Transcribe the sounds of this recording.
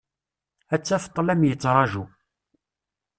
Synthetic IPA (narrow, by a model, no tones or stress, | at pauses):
æt͡sːæfə̥t̪ˤːlæmjət͡sːɾˤɑʒu